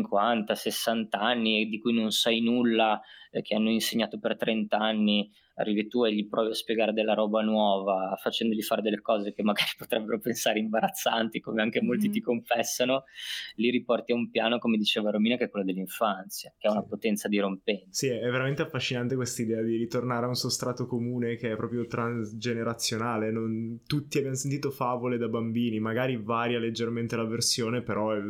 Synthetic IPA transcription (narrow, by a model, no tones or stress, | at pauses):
iŋkwant̪asesːant̪aanːid̪ikujnonsajnulːak̟eanːoinseɲːaːt̪opert̪ɾɛnt̪aanːi | a̰rːiːvit̪ueʎːipɾɔːviaspjeɡaːɾed̪elːaɾɔːbanwɔːvafat͡ʃɛnd̪oʎifaːɾed̪elːekɔːzekemːaɡaːɾipot̪ɾʔɛbːeɾopensaːɾeimbaɾat̪sːant̪ikomeaŋkemolt̪it̪ikoɱfɛsːanoliɾipɔrt̪iaumpjaːnokomed̪it͡ʃeːvaɾomiːnakeɛkwelːad̪elːiɱfluant̪sjakeɛunapot̪ɛnt̪sad̪iɾompɛnsiɛɛvːeɾament̪eafːaʃːinant̪ekwest̪aid̪ɛːad̪iɾit̪ornaːɾeaunsost̪ɾaːt̪okomuːnekeɛpɾɔːpɾjot̪ɾanssd͡ʒeneɾat̪sːjonaːlenont̪ut̪ːiabjamos̬ent̪it̪ofaːvoled̪abambiːnimaɡaːɾivaːɾjaled͡ʒːerment̪elaversjoːnepeɾɔɛ